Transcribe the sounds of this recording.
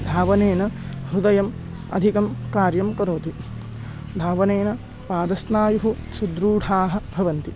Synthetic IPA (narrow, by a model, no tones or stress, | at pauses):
d̪ʱaːʋɐneːnɐɦɾud̪ɐjɐm | ɐ̰d̪ʱikɐmkaːɾjɐmkɐɾoːt̪i | d̪ʱaːʋɐneːnɐ | paːd̪ɐsnaːjuɦusud̪ɾuːɽ̤ʰʱaːɦɐ̆bʱɐʋɐnt̪i